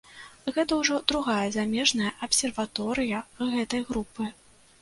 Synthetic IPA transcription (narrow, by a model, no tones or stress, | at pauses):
ɣɛt̪ɐwʐɔd̪̥ɾuɣajɐzamʲɛʐnɐjɐʔɐpsʲɛrvat̪ɔɾɨjɐɣɛt̪ɐjɣɾupɨ